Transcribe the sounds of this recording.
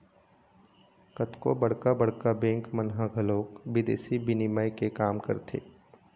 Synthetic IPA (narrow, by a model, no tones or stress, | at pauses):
kət̪ko̰bɐɽkabɐɽ̤kabɛ̃ːŋkmənɦaɡʱɐloːkbɪd̪ḛːsibɪniməjkekaːmkɐɾt̪ʰḛː